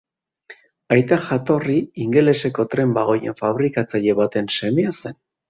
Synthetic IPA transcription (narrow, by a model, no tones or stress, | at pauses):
ajt̪aʝat̪o̞riiŋɡe̞le̞se̞ko̞t̪ɾe̞mbaɣ̞o̞je̞̰ɱfaβ̞ɾikat͡saʎe̞βat̪e̞nse̞mease̞n